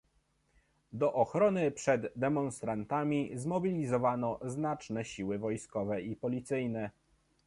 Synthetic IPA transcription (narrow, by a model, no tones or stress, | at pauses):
d̪ɔʔɔxɾɔnɘpʂɛd̪ːɛmɔnst̪ɾant̪amʲizmɔbʲilʲizɔvanɔznat͡ʂnɛɕiwɘvɔjskɔvɛipɔlʲit̪sɘjnɛ